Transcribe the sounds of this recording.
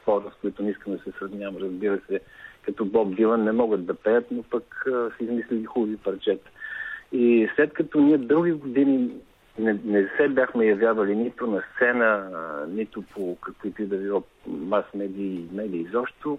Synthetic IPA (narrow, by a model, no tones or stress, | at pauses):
pɔɾəskoit̪ʊniskənd̪ɐsɛsɾɐvnʲjavəmɾəzbiɾəsɛkɐt̪ɔblˠɔb̚d̪ilˠənːɛmɔɡəd̪d̪ɐpɛjət̪nopəksɛizmislɛlixubəvipɐɾt͡ʃɛt̪ | islɛt̪kɐt̪ɔniəd̪ɾuɡ̟iɡod̪ini | nɛnɛsɛbʲjaxmɛjɐvʲjavɐlinit̪ʊnɐst̪sɛnənit̪ʊpʰokəkvit̪id̪ɐvivˠɔ | masmɛd̪iːmɛd̪iːzɔpʃt̪o